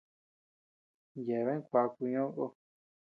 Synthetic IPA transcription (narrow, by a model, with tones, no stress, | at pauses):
je˨βe˦kʷa˧ku˧ɲõ˦ɣo˦